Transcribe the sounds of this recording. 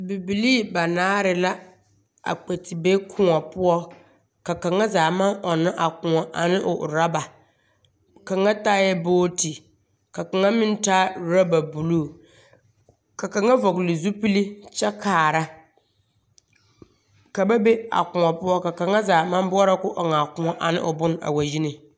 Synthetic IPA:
bi˨bi˨liː˦ba˨naː˦ɾɪ˨la˦ | a̰˨k͡pe˨tɪ˨be˦kʰʊ˦ŋɔ˨pʊ˦ɔ˦ | ka˨ka˨ŋa˦zaː˨ma˦ŋʔɔ˨na˦ʔa˨kʊ˨ŋɔ˨ʔa̰˨nɪ˦ʔʊ˨ʔɾa˦ba˨ | ka˨ŋa˦taː˦jɛ˦boː˦ti˨ | ka˨ka˨ŋa˦mɪ˦n˦ta˦ɾa˦ba˨bu˨luː˦˨ | ka˨ka˨ŋa˦vɔ˨klɪ˨zu˦pi˦li˦t͡ʃɛ˦kaː˨ɾa˦ | ka˨ba˦be˦a̰˨kʊ˨ŋɔ˨pʊ˦ɔ˦ka˨ka˨ŋa˦zaː˨ma˦nbɔ˦ɔ˦ɾa˦kʊ˦ʔɔ˨ŋaː˨kʊ˦ŋɔ˨ʔa˨nɪ̰˦ʔʊ˨bʊ˦n˦a̰˨wa˨ji˦nɪ˨

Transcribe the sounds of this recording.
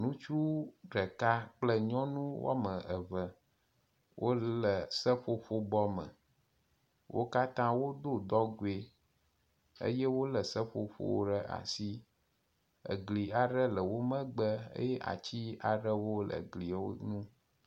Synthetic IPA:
nũ˦t͡ʃu˦ɖə˨ka˦k͡plə˦ɲɔ̃˦nũ˦w̰a˦mə̃˨ʔə˨və˨ | wʔo˦lə˨sə˦ɸo˦ɸo˦bɔ˦mə̰̃˨ | wʔo̰˦ka˦t̪ã˦wo˦d̪o˦d̪ɔ˦ɡu˦e˦ | ə̰˦je˦wo˦lə˨sə˦ɸo˨ɸo̰˦ɖə˦ʔa̰˨si˦ | ə̰˨ɡli˨a˨ɖə˦lə˨wo˦mə̃˦ɡ͡bə˦ə̰˦jɛ˦ʔa̰˨t͡ɕi˦a˨ɖə˦wo˦lə̰˨ɡli˨o̰˦nũ˦

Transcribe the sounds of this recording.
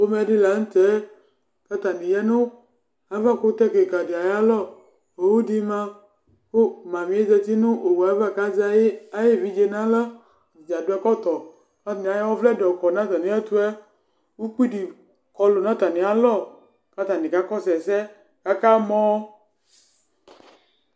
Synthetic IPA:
o˦mɛ˨˦di˦la˨˦ŋ̩˦t̪ɛ˨˦ | ka˦t̪a˨nĩ˨jɛ˦nõ˦ | a˨˦va˦ko˦t̪ɛ˦ke˨ɡa˨di˨a˨ja˦lɔ˦˨ | o˨wu˦di˦mã˦ | ko˦˨mã˨mĩ˨˦e˦d͡ʒɛ˦t̪i˦nʊ̃˦ʔo˨wu˨a˨˦va˦˨ka˦d͡ʒa˦je˦a˦je˦˨vi˦d͡ʒe˨nã˦lə˦˨ | i˨d͡ʒa˨do˦ɛ˦kɔ˦t̪ɔ˨ | ka˦˨nĩ˨a˨jɛ˦wɔ˦vlɛ˦dɔ˨kɔ˨nã˦t̪a˨nĩ˨˦ɛ˦t̪u˦ɛ˦ | wu˦ki˦di˨ | kɔ˨lo˨nã˦t̪a˨nĩ˨a˦lɔ˦˨ | ka˦t̪a˨nĩ˨ka˦kɔ˦sɛ˨sɛ˦ | ka˦ka˦mɔ̃˦

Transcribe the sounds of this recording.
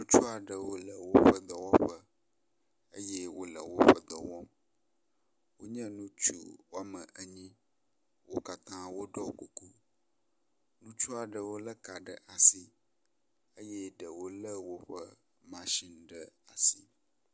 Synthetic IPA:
nũ˦t͡ʃu˦a˨ɖə˨wo˦lə˨wo˦ɸə˦d̪ə˨wɔ˦ɸə˦ | ə˦je˦wo˦lə̰˨wo˦ɸə˦d̪ə˨wɔ̃˦m | wo˦ɲɛ̃˦nũ˦t͡ʃṵ˦wa˦mə̃˨ʔə˦ɲĩ˦ | wo˦ka˦t̪ã˦wo˦ɖɔ˦ku˨ku˦ | nũ˦t͡ʃu˦a˨ɖə˨wo˦lə˦ka˨ɖə˨ʔa˨si˨ | ə˦je˦ɖə˨wo˦lə˦wo˦ɸə˦ | mã˨ʃi˦˨n˨ɖə˨a˨si˦

